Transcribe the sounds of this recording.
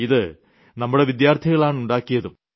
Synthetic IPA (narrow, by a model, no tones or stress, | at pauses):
iðɨ | nɐmːuɽe̞ʋid̪jaːrt̪ʰiɣɐɭaːɳuɳɖaːkːijɐðum